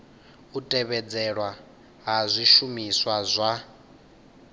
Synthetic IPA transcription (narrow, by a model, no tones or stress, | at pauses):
utʼɛβɛd͡zɛɺwa | ɦazʷiʃumiswazʷa